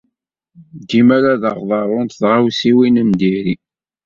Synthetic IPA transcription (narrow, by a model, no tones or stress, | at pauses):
d̪imæɾaðəʁðˤɑɾˤʊnt̪θʁawsiwinəmd̪iɾi